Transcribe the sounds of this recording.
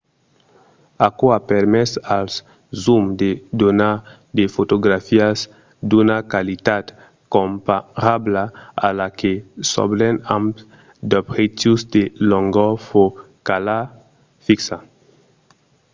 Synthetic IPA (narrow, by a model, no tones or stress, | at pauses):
akoapeɾmɛsals | zumd̪ed̪ona | d̪efot̪oɡɾafiaz | d̪unakalit̪ad̪ | kompaɾablaa̰lakesɔ̰blenãmp | d̪ɔbʁet̪usd̪elɔŋɡɔfo | kala | fiksa